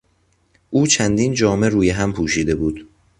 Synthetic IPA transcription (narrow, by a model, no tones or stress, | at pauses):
ʔuːt͡ʃʰænd̪iːnd͡ʒɒːme̞ɾuːjeɦæmpʰuːʃiːd̪e̞buːd̪̥